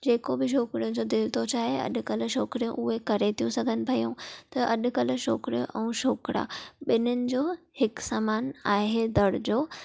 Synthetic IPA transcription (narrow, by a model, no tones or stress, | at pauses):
d͡ʑeːkobɪʃ̬oːkɾijʊ̃n̆d͡ʑoːd̪ɪlt̪ʰot͡ɕaːɦeɐ̰ɗʊ̆kɐlʊ̆ʃoːkɾijũʔʊɦekɐɾet̪ʰijũsɐɡʱənɪ̆pʰɐjũt̪ɐʔɐɗʊ̆kɐlʊ̆ʃo̰ːkɾijõ̰ʔɛ̃ːʃoːkɽa̰ːɓɪnʊnɪ̆d͡ʑoː | hɪksaːmaːnaːɦed̪ɐɽd͡ʑoː